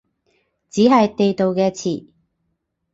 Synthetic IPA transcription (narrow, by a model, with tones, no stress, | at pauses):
t͡siː˨˥ɦɐ˨jt̪e˨jt̪o˨wkɛː˧t͡sʰḭː˨˩